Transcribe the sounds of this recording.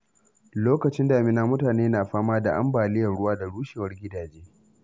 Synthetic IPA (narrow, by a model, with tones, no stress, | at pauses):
loː˦kɐ˨t͡ʃɪ˦ndaː˨mɪ˦˨naː˦mʊ˦taː˨neː˦naː˨ɸaː˦maː˦da˨ʔa̰˦mbaː˨lɪ˦jɐ˨rɽʊ˦waː˦da˨ɽuː˦ʃeː˨wɐ˦rɡʲɪ˦daː˨d͡ʒeː˦